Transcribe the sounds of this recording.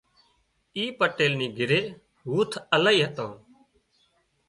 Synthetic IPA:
iːpəʈeːlniːɡʱɪɾeː | ɦuːt̪ʰəlaːiːɦət̪õː

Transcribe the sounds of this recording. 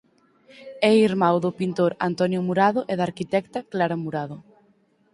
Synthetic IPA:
ɛiɾmawðʊpint̪oɾa̰nt̪ɔnjʊmuɾaðʊʔɛðaɾkit̪ɛkt̪aklaɾamuɾaðʊ

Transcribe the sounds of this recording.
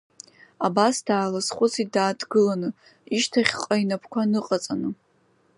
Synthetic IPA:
abasd̥aːlasχʷʊt͡sʰidaːdɡɨlanɨ | iʃtʰaχʲqʼainapʰkʷʰanɨqʼat͡sʼanɨ

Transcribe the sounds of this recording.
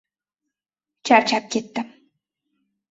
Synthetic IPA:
t͡ʃaɾt͡ʃap̚kʲɪt̪ːɪm

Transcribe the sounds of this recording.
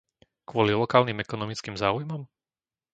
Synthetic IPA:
kʊɔlilɔkaːlnimɛkɔnɔmit͡skimzaːujmɔm

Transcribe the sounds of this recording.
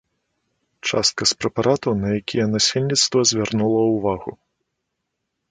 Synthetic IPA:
t͡ʂa̰st̪̚kɐspɾɛpaɾat̪ɐwnɐjakʲijɐnasʲelʲnʲit̪st̪vɐzʲvʲarnulˠɐwvaɣṵ

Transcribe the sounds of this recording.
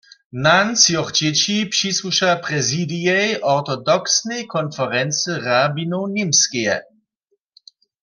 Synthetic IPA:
nansjɔɣd͡ʑɛt͡ɕipʂiswuʃapʁɛzidijɛjʔɔʁt̪ɔdɔksneɛjkʰɔnfɛʁɛnt͡səʁabinownimskɛjɛ̰

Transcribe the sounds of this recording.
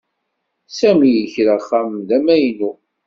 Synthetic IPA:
sæmijəçɾaχːamðæmæjnu

